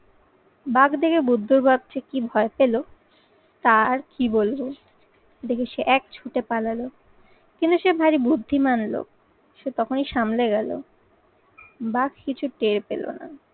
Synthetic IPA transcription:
baɡd̪ekʰebud̪ʱːuɾbab̚t͡ɕekibʱɔepelo | t̪aɾkibolbo | d̪ekʰeʃeʔɛk̚t͡ɕʰuʈepalalo | kint̪uʃebʱaɾibud̪ʱːimanlo̰k̚ | ʃet̪ɔkʰoniʃamleɡɛlo̰ | baɡ̚kit͡ɕʰuʈeɾpḛlo̰na̰

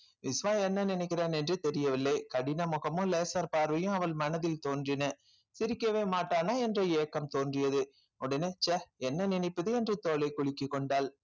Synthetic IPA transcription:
ʋɪsʋaːɛnːɐnɪnɛɪkːɪɾaːnɛndrɯt̪ɛɾɪjɐʋɪlːɐɪkɐɽɪnɐmɔɣɐmɯ̃leːsɐɾpaːɾʋɐjʊ̃ɐʋɐlmɐnɐðɪlt̪oːndrɪnɐ | sɪɾɪkːɐʋeːmaːʈːaːnaːɛndrɐeːkːɐmt̪oːndrɪjɐðɯ | ɔɽɐneːt͡ʃɐɛnːɐnɪnɐɪpːɐðɯɛndrɯt̪oːlɐɪkːʊɭɪkːɯkːɔɳɖaːl

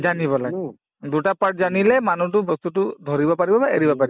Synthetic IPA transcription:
zaniβɔlaɡɛ | dutapaɹʈ̚zanilɛmanut̬ʊbɔst̪utʊdʱɔɹibɔpaɹibɔbaʔḛɹibɔpaɹi

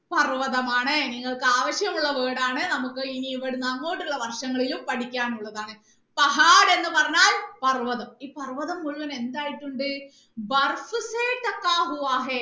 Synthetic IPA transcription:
pɐrʋɐðɐmaːɳɨniŋːɐɭkɨaːʋɐɕjɐmuɭːɐʋeːɽaːɳɨnɐmukːɨiniːʋɐɽunɐnːoːʈːuɭːɐʋɐrʂɐŋːɐɭilumpɐʈikʲːaːnuɭːɐðaːɳɨ | pɐɦaːɽe̞nːɨpɐrɐɲːaːlpɐrʋɐðɐmiːpɐrʋɐðɐmːuɭʋɐne̞nd̪aːjiʈːuɳɖɨ | bɐrfɨseːʈɐkːaːɦuʋaːɦe

